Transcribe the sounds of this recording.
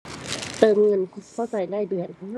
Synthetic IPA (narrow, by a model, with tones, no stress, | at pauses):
t̪ɤː˨˩mŋɤ˧˥˨nkkʰa˧˥˩wsa˨˩jla˧˩jdɯ˨˩ənk